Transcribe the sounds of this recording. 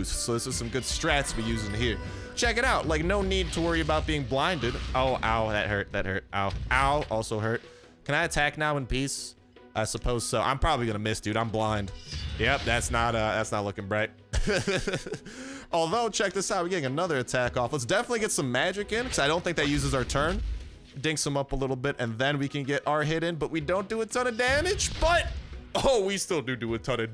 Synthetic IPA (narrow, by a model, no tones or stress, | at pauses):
stsoʊðɪsɨz̥sʌ̃mɡʊd̥stɹ̥ætsbijʉzɪ̃ŋhiɹ | t͡ʃʰɛkɨɾaʊʔlaɪk̚noʊnid̚tʰəwɜ˞iɨbaʊt̚b̥iɪ̃ŋblãɪ̃ndɨdʔoʊʔa̰ʊðɨ̰t̚hɜ˞t̪̚ðɨt̚hɜ˞t̚ʔaʊʔaʊʔɔlˠsoʊɦɜ˞t̚ | kʰɨ̃ñaɪɨtʰæknaʊə̃npis | ʔaɪsəpʰoʊz̥soʊʔã̰ɪ̃mpʰɹ̥ɑbəbliɡʌ̃nəɨmɪstʉɾãɪ̃mblãɪ̃nd̥jɛp̚ðætsnətʌðætsnətˡlʊkɪ̃ŋbɹaɪt̚ | ʔɔlˠðoʊt͡ʃʰɛk̚ðɪsaʊt̚wi˞ɡɛɾɪ̃ŋɨnʌðə˞ɨtʰækɔfləts̬d̥ɛfənətˡliɡɛtsʌ̃mːæd͡ʒɨkɪ̃nkʰʌzaɪɾõʊ̃nθɪ̃ŋk̚ðɨt̚jʉzɨzaʊə˞tʰɜ̃˞n | dɪ̃ŋksə̃mʌpəlɪɾl̩ˠbɪɾɨ̃nðɨ̃nwikɨ̃nɡɛɾʔaʊə˞ɦɪɾɪ̃nbʌʔ̚widõʊ̃nd̥ɨːtʰʌnɨdæmɪ̥d͡ʒb̥ʌt̚oʊwistɪlˠdɨdɨɨtʰʌɾɨ